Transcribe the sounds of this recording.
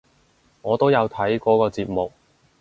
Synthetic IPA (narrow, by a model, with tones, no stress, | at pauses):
ŋɔː˨˧t̪o˥wjɐ˨˧wt̪ʰɐ˨˥jkɔː˨˥kɔː˧t͡siː˧p̚mʊ˨k̚